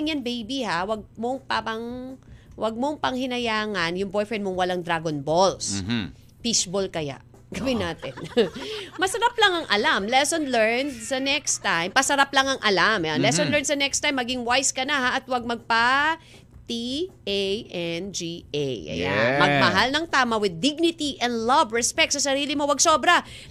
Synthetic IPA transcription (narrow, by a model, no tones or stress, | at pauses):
ŋjanbejbihawɐɡ̚moŋpapɐŋ | wʔɐɡ̚moŋpɐŋhɪnɐjaːŋɐnjʊŋbojfɹɛnd̪̚moŋwɐlaŋd̪ɾaɡonbols | pisbolkɐja̰ʔ | ɡ̥ɐwɪnaːt̪ɛn | mɐsɐɾaplɐŋɐŋʔɐlamlɛsonlɛɹnd̪sɐnɛkst̪ajmpɐsɐɾaplɐŋɐŋʔɐlamnlɛsonlɛɹnd̪sɐnɛkst̪ajmːɐɡɪŋwajskɐnahaʔɐt̪wɐɡ̚mɐɡ̚pa | t̪iejʔɛnd͡ʒiʔejʔɐ̰ja̰nmɐɡ̚mɐɦalnɐŋt̪aːmɐwɪd̪̚ːɪɡ̚nɪt̪iʔɛ̃nd̪lɐbɹɛspɛk̚t̪sɐsɐɾiːlɪmo̞wɐɡsoːbɾɐ